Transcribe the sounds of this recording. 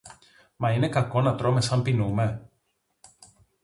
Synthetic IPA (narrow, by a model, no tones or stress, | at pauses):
mɐine̞kɐko̞nɐt̪ɾo̞me̞sɐmpinume̞